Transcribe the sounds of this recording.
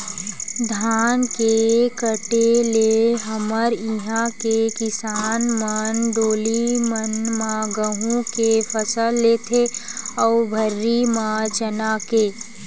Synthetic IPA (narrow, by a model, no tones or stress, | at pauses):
d̪ʱaːnkekəʈeleɦəməɾiɦãkekɪsaːnmənɖoːlimənmãɡəɦũkepʰəsəlːeːt̪ʰeɔːbʱəɾːimãt͡ʃənaːkeː